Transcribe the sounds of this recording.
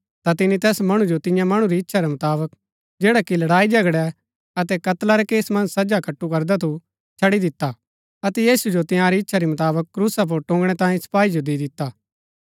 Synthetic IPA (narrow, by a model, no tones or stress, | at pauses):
t̪at̪ɪnit̪ɛːsmɐɽ̃ũd͡ʒot̪ɪ̃jãmɐɽ̃ũɾiɪtːʃʰaɾɛmɐt̪aːbək | d͡ʒeːɽakilɐɽaːid͡ʒɐɡɽɛ | ɐt̪ɛkɐt̪laɾɛkeːsmɐ̃nsɐd͡ʒakɐʈːukɐɾd̪at̪ʰu | t͡ʃʰɐɽid̪ɪt̪ːa | ɐt̪ɛjiːsud͡ʒot̪ɪ̃jãɾiɪtːʃʰaɾimɐt̪aːbəkːɾuːsap̬ʊɾʈõːŋɡɽ̃ɛt̪ãːĩsɐ̥paːid͡ʒod̪id̪ɪt̪ːaː